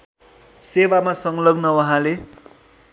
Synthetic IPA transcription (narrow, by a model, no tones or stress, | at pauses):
sewamasʌŋlʌɡnʌwʌɦãle